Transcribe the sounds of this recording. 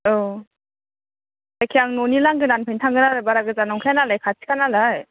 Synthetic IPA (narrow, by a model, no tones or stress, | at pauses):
ɔ | dajkʰijaŋnonilaŋɡɯnanpʰajntʰaŋɡɯnaɾɯbaɾaɡɯzanɔŋkʰianalajkʰasʰi̥kʰanalaj